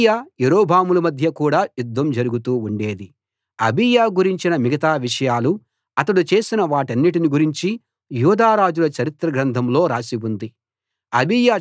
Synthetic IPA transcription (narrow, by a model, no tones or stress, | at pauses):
jaːjeɾoːbʱaːmulɐmɐd̪ʱjɐkuːɽaːjud̪ːɐmd͡ʒɐɾuɡut̪uːuɳɖe̞ːd̪i | ɐbijaːɡuɾiɲt͡ʃinɐmiɡɐt̪aːʋiʂɐjaːlu | ɐt̪ɐɽut͡ʃe̞ːsinɐʋaːʈɐnːiʈ̬iniɡuɾiɲt͡ʃi | juːd̪aːɾaːd͡ʒulɐt͡ʃɐɾit̪ɾɐɡɾɐnd̪ʰʱɐmlo̞ːɾaːsibund̪i | ɐbijaː